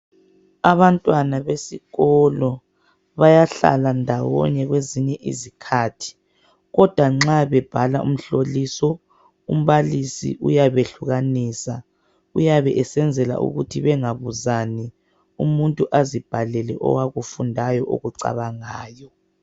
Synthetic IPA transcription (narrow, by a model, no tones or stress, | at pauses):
aβantʼwanaβesiɣɔlɔ | βajaɬa̰landʱawɔ̰ɲɛɣweziɲɛʔḭzikʰatʰi̥ | ɣɔd̥ʱwaŋ͡ǁaβɛb̥ʱalaʔṵm̩ɬolisɔ | um̩βalisḭʔujaβeɬuɣaniːsa | ujaβɛʔɛsɛnd͡zʱɛla̰ʔṵɣutʰiβɛŋaβuzani | umuntʼuʔazib̥ʱalɛlɛʔɔ̰waɣufundʱajɔʔo̰ɣuǀa̰βaŋaːjɔ